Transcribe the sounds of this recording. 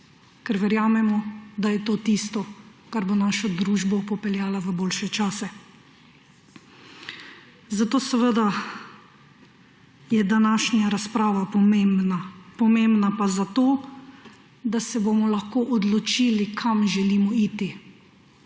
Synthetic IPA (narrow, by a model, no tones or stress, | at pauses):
kɛɾʋɛɾjaːmɛmɔd̪ajɛt̪oːt̪ist̪ɔkaɾbonaːʃɔd̪ɾuːʒbɔpɔpɛljaːlaʋəboːlʃɛt͡ʃaːsɛ | zat̪oːsɛʋəd̪a | jɛd̪anaʃnjaɾaspɾaːʋapɔmenapɔmembnapazat̪oː | d̪asɛbomɔlaxkoːʔɔd̪lɔt͡ʃiːlikʰamʒɛliːmɔiːt̪i